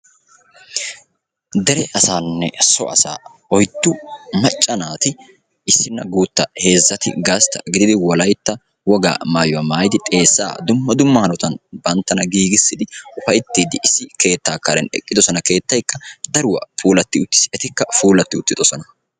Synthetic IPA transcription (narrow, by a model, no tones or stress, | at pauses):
d̪ɛɾɛʔɐsaːnːɛ̰sɔ̰ʔɐsa̰ː | ɔjt̪ːʊmɐt͡ʃʼːɐnaːt̪ɪ | ɪsːɪnːɐɡuːt̪ːɐhe̞ːzːɐt̪ɪ̰ɡɐst̪ɐ̰ɡɪd̪ɪd̪ɪwɔlɐjt̪ːɐ | wɔɡa̰ːmaːjʊwɐːmaːjɪd̪ɪt̪ʼe̞ːsːa̰ːd̪ʊmːɐd̪ʊmːɐhɐnɔt̪ɐnbɐnt̪ːɐnɐɡiːɡɪsːɪd̪ɪʊfɐjt̪ːiːd̪ɪʔɪsːɪke̞ːt̪ːaːkːɐlɛnɛ̰kʼːɪd̪ɔsɔnɐke̞ːt̪ːɐjkːɐd̪ɐɾʊwɐ̰fuːlɐt̪ːɪʊt̪ːɪ̥sɛt̪ɪkːɐfuːlɐt̪ːɪʊt̪ːɪd̪ɔsɔnɐ